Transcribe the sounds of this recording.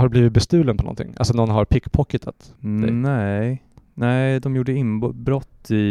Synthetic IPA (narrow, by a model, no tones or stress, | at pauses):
haɖɵbliːvɪt̪̚bɛst̪ʉ̟ːlənpʰɔnɔ̰nt̪ʰɪ̰ŋːʔa̰lsɔnɔnːɦaɾpʰɪkːpʰɔkːɪt̪ʰat̪d̪ɛ̰ɛ | nɛɪd̪ɔmjuːɖəɪnbɾɔt̪ːɪ